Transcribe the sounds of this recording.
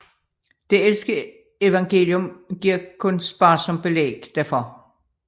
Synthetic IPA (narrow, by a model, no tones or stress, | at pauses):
d̥e̝elsɡ̥ə | e̝ʋɑ̈ŋɡ̥e̝̰ːljomɡ̥iɐ̰kʰɔ̽nsb̥ɑ̈ːsɒ̽mb̥e̝lḛːɡ̥d̥æɐfɒ̽